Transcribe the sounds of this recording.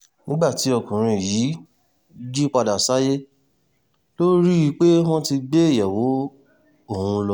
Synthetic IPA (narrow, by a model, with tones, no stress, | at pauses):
nĩ˦ɡ͡ba˦˨ti˨˦ɔ˧˨kũ˨ɾ̃ĩ˧˨ji˨˦ | d͡ʒi˦k͡pa˧da˨sa˨˦je˦ | lo˦ɾi˦i˧k͡pe˦w̃ɔ̃˦ti˧ɡ͡be˦e˦˨jɛ˨wo˨˦ | o˦˨hũ˧lɔ˧